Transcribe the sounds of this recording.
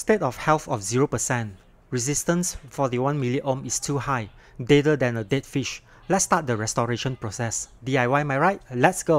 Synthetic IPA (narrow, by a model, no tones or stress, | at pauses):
stetɔfhɛlθɔfziɹopəsɛ̃nt | ɹizistə̃nsfɔtiwãnmiliʔõmistʰuhaɪ | dedədɛ̃nədetfiʃ | lɛtstat̚dəɹɛstɔɹeʃə̃npɹosɛsdiajwajmajɹaɪt̚lɛtsɡo